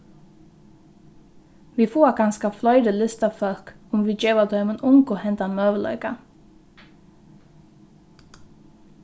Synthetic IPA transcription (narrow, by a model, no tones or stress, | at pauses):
ʋiːfuːkʰɑnskɑflœʏd̪əlɪst̪ɑfœlkʊmʋiːd͡ʒeːʋəd̪ʰœʏmənʔʊŋkʊhɛnt̪ɑnmøːʋəlœ̰ʏkɑ̰